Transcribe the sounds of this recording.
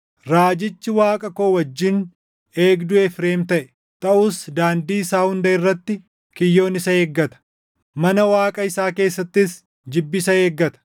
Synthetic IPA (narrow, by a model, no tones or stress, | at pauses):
ɾaːd͡ʒɪt͡ʃːɪwaːkʼɐko̞ːwɐd͡ʒːɪn | e̞ːɡd̪ʊɛfɾe̞ːmt̪ɐʔɛ̥ | t̪ʼɐʔʊsd̪aːnd̪iːsaːhʊnd̪ɐɪrːɐt̪ːɪ | kɪjːo̞ːnɪsɐeːɡːɐt̪ɐ̥ | mɐnɐwaːkʼɐɪsaːke̞ːsːɐt̪ːɪs | d͡ʒɪbːɪsɐe̞ːɡːɐt̪ɐ̥